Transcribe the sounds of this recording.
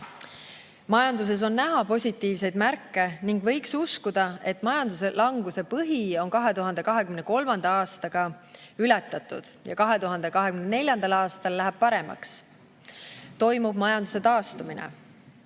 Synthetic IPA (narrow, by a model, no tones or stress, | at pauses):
mɑjɑnd̪us̬e̞s̬o̞nnæɦɑpo̞sʲit̪ːˑiːvse̞jd̪mærkːe̞niŋɡ̥vɤ̞jksuskud̪̥ɑe̞t̪ːˑmɑjɑnd̪̥use̞lʔɑŋɡ̥use̞pɤɦio̞nkɑɦe̞t̪uɦɑnd̪̥e̞kɑɦe̞kymne̞ko̞lmɑnd̪̥ɑɑːst̪ɑɡ̥ɑ | ylɛt̪ːˑɑt̪ːˑṵd̪̥jɑ̰kɑɦe̞t̪uɦɑnd̪̥e̞kɑɦekymnenelʲjɑnd̪ɑlɑːst̪ɑlːæɦæb̥̚pɑɾe̞mɑ̰ks | t̪o̞jmub̥mɑjɑnd̪use̞t̪ɑːst̪uminḛ